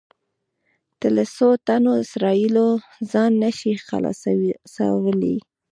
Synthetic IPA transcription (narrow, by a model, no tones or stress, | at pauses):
d̪̥əlasot̪anoɪsɾɑilo | zɑnːaʃixa̰lɑ̰sa̰wəlḭ